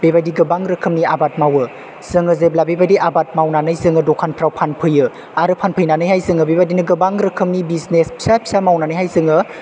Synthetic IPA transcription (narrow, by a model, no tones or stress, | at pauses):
b̥ebajdiɡɐbaŋɾɯkʰɯmniabat̚mawɯ | z̥ɯŋɯzeblabebajdiʔabat̚mawnanɯjzɯŋɯdɔkʰanpʰɾawpʰanpʰɯjɯ | aɾɯpʰanpʰɯjnanɯjhajzɯŋɯbebajdinɯɡɐbaŋɾɯkʰɯmnibiznespʰi̥sapʰi̥samawnanɯjɦajzɯŋɯ